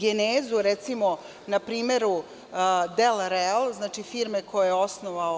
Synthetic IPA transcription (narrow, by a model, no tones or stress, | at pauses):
ɡeneːzuɾɛt̪simo̞ | napɾiːme̞ɾu | d̪elɾelznaːt͡ʂifiɾmekojojeosnoʋao